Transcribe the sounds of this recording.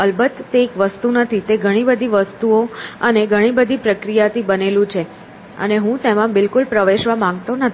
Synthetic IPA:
əlbət̪ːeːkʋəst̪unət̪ʰit̪eɡʱəɽ̃ibəd̪ʱiʋəst̪uoəneɡʱəɽ̃ibəd̪ʱipɾəkɾijat̪ʰibənelũt͡ʃʰe | ə̰neɦũt̪emãbɪlkulpɾəʋeʃʋamãŋɡt̪onət̪ʰ

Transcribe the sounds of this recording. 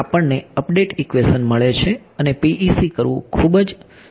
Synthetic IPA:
apəɳneəpɖeʈikʋesənməɭet͡ʃʰe | ənepiʔisikəɾʋṵ̃kʰubd͡ʒ

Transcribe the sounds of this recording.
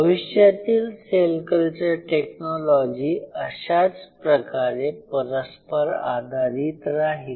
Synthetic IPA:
bəʋiɕjat̪iːlselkəlt͡ɕəɾʈeknɔlɔd͡ʑiːəɕat͡spɾəkaɾepəɾəspəɾa̰d̪ʱaɾiːt̪ɾaɦil

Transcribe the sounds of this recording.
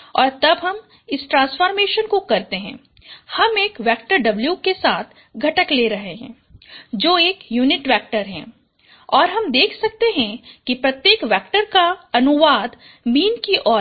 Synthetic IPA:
ɔːɾt̪ɐbɦɐm | ɪsʈɾãːsfɔːɾmeːʃənkokɐɾt̪eɦɛ̰̃ː | hɐmeːkʋɛːk̚ʈəɾɖɐbljukesaːt̪ʰ | ɡʱɐʈəkleːɾɐɦeɦɛ̰̃ː | d͡ʒoːeːkjuːnɪʈʋɛːk̚ʈəɾɦɛ̰̃ː | ɔːɾɦɐmd̪eːkʰsɐk̚t̪eɦɛ̃kipɾɐt̪jeːkʋɛːkʈəɾkaɐnʊʋaːd̪ | miːnkiʔɔː

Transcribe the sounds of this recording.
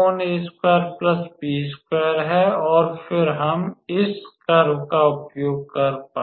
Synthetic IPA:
oneːskweːəɾplɐsbiːskejəɾɦɛɔːɾfʰɪɾɦɐmɪskaɾʊkaʊpjoːɡ̚kɐɾpaː

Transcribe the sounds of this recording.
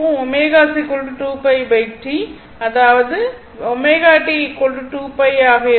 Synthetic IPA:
ũɔmeːɣaːsikɔɭɖʈuːpɐɪbɐɪʈːi | ɐðaːʋɐðɯ | ɔmeːɣaːʈːikɔɭɖɯʈuːpɐɪaːɣɐ

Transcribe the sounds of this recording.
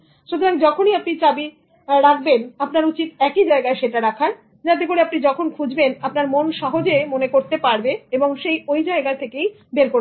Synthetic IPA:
ʃud̪ʱoɾaɡd͡ʑɔkʰoniapnit͡ɕabi | ɾak̚ʰbenapnaɾut͡ɕit̪ɛkid͡ʑaeɡaeʃeʈaɾakʰan | d͡ʑat̪̬ep̬oɾeapnid͡ʑɔkʰonkʰud͡ʑbenapnaɾmonʃɔɦod͡ʑemonekoɾt̪epaɾbeeboŋʃejojd͡ʑaeɡat̪ʰekej | beɾkoɾ

